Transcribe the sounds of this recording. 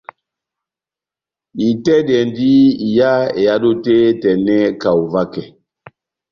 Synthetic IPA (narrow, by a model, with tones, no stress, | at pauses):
i˨tɛ˦dɛ˨ndi˦i˨ja˦ḛ˨ja˦do˦te˦tɛ˨nɛ˦ka˨u˨va˦kɛ˨